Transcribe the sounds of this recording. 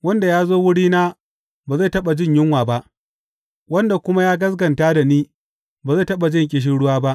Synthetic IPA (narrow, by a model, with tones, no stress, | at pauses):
wɐ˦nda˨jaː˦zoː˦wʊ˦ɽiː˦naː˦ | baː˨za˦˨tɐ˦ɓa˨d͡ʒɪ˦ɲjɪ˦ŋwaː˨ba˦ʔ | wɐ˦nda˨kʷʊ˦ma˦jaː˦ɡɐ˦s̬ɡɐ˨ntaː˦da˨niː˦ | baː˨za˦˨tɐ˦ɓa˨d͡ʒɪ˦ŋkʲʼɪ˨ʃ̬ɪ˦nɽʊ˦waː˦ba˦ʔ